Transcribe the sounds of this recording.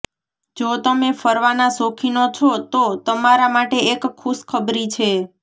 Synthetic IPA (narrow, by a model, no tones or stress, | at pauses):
d͡ʒot̪əmefəɾʋanasokʰinot͡ʃʰot̪ot̪əmaɾamaʈeːkʰːuskʰəbɾit͡ʃʰe